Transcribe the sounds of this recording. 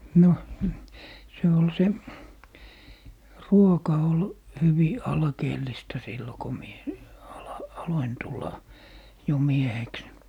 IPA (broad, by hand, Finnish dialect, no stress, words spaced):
no se ol se ruokɑ ol hyʋi ɑlkeːlːistɑ silːo ko mie ɑlɑ ɑloin tulːɑ jo mieheks